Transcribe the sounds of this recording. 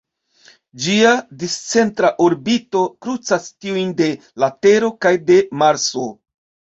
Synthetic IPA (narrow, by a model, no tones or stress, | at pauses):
d͡ʒiadist͡se̞ntɾaʔoɾbito̞kɾut͡sastiujnde̞ | late̞ɾo̞kajde̞maɾso̞